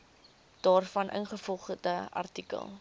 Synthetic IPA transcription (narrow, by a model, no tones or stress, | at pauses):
d̥ɑːrfɐnʔə̰nχəfɔlˠχədəɐ̰rtikə̰lˠ